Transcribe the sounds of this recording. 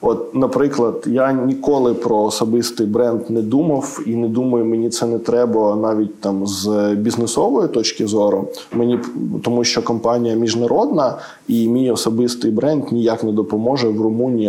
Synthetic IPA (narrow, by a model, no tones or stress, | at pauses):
ɔt̪̚nɐpɾɪklˠɐd̪janʲikɔlˠɪpɾɔːsɔbɪst̪ɪjbɾɛnd̪nɛd̪umɐwinɛd̪umɐjʊmenʲit̪sɛnɛt̪ɾɛbɐnɑʋʲit̚ʲt̪ɑmzbʲiznesɔʋɔjit̪ɔt͡ʃkʲɪzɔɾʊ | menʲipt̪ɔmuʃt͡ʃɔkɔmpɑnʲijɐmʲiʒnɐɾɔd̪nɐ | imʲijɔsɔbɪst̪ɪjbɾɛnd̪nʲijaknɛd̪ɔpɔmɔʒɛwrʊmunʲiji